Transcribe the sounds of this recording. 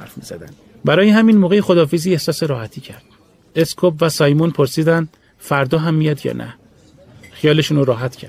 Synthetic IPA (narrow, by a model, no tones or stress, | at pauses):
æɾfmizæd̪æn | bæɾɒːjeɦæminmoːɣe̞jexod̪ɒːfeziːehsɒːse̞ɾɒːhæt̪ʰiːcʰæɾd̪̥ | eskʰopvæsɒːjmunpʰoɾsiːd̪ænd̪ | fæɾd̪ɒːɦæmːijɒd̪jɒ̰ːnʔæ̰ | xijɒːle̞ʃunoɾɒːɦæt̪ʰcʰæ̰ɾd̪̥